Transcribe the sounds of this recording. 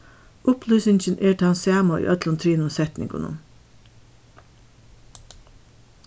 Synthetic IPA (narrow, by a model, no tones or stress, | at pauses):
ʊplyːsɪŋçənʔeːʈ̪ʰeːɑnsæːmɑḭːʔœt̪lɔnt̪ʰɾiːnʊmsɛt̪nɪ̰ŋɡʊ̰nʊ̰n